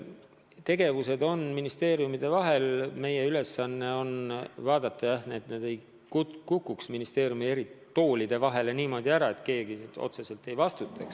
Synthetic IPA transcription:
t̪e̞ɡe̞vuse̞d̪o̞nminist̪e̞ːɾijumid̪̥e̞vɑɦe̞lme̞je̞yle̞sːɑnːe̞o̞nvɑːd̪ɑt̪ːˑɑjɑhneːt̪neːd̪̥e̞j | kukukːˑuksminist̪e̞ːɾjumie̞ɾit̪o̞ːlid̪̥e̞vɑɦe̞le̞niːmo̞ːd̪iæɾɑe̞t̪ke̞ːɡio̞̰t̪se̞se̞lt̪e̞jvɑst̪ut̪ːˑɑks

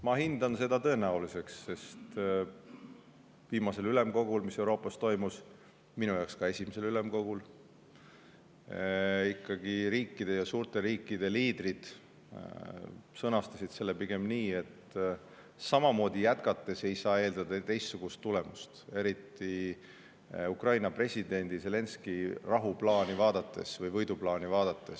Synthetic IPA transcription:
mɑɦind̪̥ɑnse̞d̪̥ɑt̪ɤ̞e̞næulise̞ksːe̞st̪ | viːmɑse̞lyle̞mko̞ɡ̥ulmise̞wɾo̞ːpːˑɑst̪o̞jmus | minujɑwkskɑe̞sʲimese̞lyle̞mko̞ɡ̥ul | ikːˑɑɡ̥iɾiːkːid̪̥e̞jɑsuːɾt̪e̞ɾiːkːid̪̥e̞liːd̪rid̪̥ | sɤnɑst̪ɑsid̪̥se̞lːepiɡe̞mniːe̞t̪ | sɑmɑmo̞ːd̪̥ʲijæt̪kɑt̪ˑːe̞se̞jsɑːe̞ːld̪ɑd̪̥ɑt̪e̞jst̪suɡ̥ust̪ːule̞must̪e̞ɾit̪ːˑi | ukrɑjnɑpre̞sʲid̪̥e̞nʲd̪̥ise̞le̞nskirɑɦuplɑːnivɑːd̪̥ɑt̪ːˑe̞̰svɤjvɤjd̪uplɑːnivɑːd̪̥ɑt̪ˑːe̞s

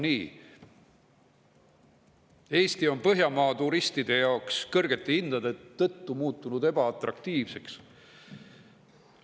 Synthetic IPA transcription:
niː | e̞ːst̪io̞npɤɦjɑmɑːt̪uɾist̪id̪̥e̞jɑokskɤrɡ̥e̞t̪ːˑeind̪̥ɑd̪̥e̞t̪ːɤt̪ːumuːt̪ːˑunud̪e̞b̥ɑɑt̪rɑkt̪iːvse̞ks

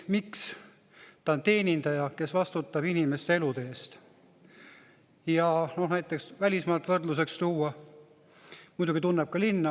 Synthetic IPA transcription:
miks | t̪ɑont̪e̞ːnʲind̪̥ɑjɑke̞svɑst̪ut̪ːˑɑb̥inime̞st̪ee̞lud̪eeːst̪ | jɑno̞hnæjt̪ːˑe̞ksvælʲismɑːlt̪ːˑvɤrd̪luse̞kst̪uːɑ | mujd̪uɡ̥it̪unːeb̥̚kɑlinːɑ

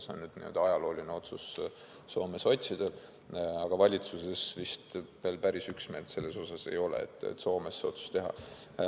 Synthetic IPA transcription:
seo̰nnyd̪nḭo̰d̪ɑɑjɑlo̞ːlʲineo̞t̪sus | so̞ːme̞so̞t̪ʲsid̪̥e̞l | ɑɡ̥ɑvɑlʲit̪suse̞svist̪ve̞ːlpæɾisyksme̞ːld̪se̞lːe̞so̞sɑse̞̰jo̞lḛḛt̪ːˑḛt̪ːso̞ːme̞sːeo̞t̪su̥st̪e̞ɦɑ̰

